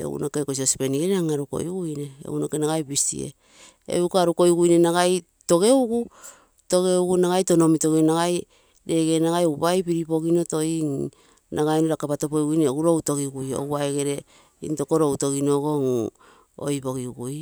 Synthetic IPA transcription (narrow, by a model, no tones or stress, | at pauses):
ḛwṵnokekososi̥peniɡeɾeaŋaɾuko̞̰jɡujne̞ḛunokenaɡajbistḭḛ | ḛukaɾuko̞jɡujne̞naɡaj | to̞ɡe̞uɡu | to̞ɣe̞uɡunaɡajto̞no̞mitoɡenaɡaj | ɾe̞ɡe̞naɡajowbajpiɾipo̞ɡino̞to̞iŋ | nʔaɡajnoɾakapatopojɡujneoɡuɾowto̞ɡiɡujo̰waeɡe̞ɾe̞ | ḭnto̞koɾowto̞ɡinoɡo̞ŋ | o̰jpo̞ɡiuɡuj